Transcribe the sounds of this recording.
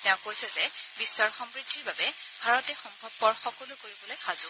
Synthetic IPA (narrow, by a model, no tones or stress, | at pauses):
tɛʊ̃kːojsɛzɛbisːaɹxɔmpɹitʰːiɹbabɛ | bʱaɹɔtɛxɔmbʱɔbːɔɹxɔkɔlukoɹibɔlojxʰazʊ